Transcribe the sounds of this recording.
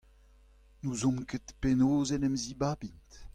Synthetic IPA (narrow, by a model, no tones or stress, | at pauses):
nuzɔ̃mket̪penoːzɛnɛmzibaːbint̪